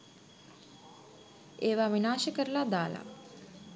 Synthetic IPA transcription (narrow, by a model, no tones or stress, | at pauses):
eːʋaʋinaːʃəkəɾəlad̪aːla̰